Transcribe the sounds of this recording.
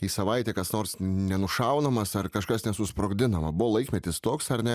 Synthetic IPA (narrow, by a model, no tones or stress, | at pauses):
iːsɐʋɐɪt̪ʲeːkɐsnoːrsnʲɛnʊʃɐʊnɐmɐsɐrkɐʃkɐsnʲɛsʊspɾoːɡʲd̪ʲɪnɐmɐbʊʋoːlˠɐɪkʲmʲɛt̪ʲɪst̪oːksɐɾnʲɛ